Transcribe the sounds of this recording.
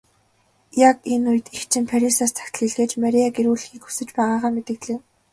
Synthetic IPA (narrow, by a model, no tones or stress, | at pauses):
jakenuj̆t̪ixt͡ɕʰɪ̆mpʰaɾʲisaːst̪ʰḁxʲt̪ɮiːɮɣeːt͡ɕmaɾiaɡeɾuːɮ̆xiːkxu̥sɘ̆t͡ɕpæːʁaːʁaːmet̪ɘ̆kɮeː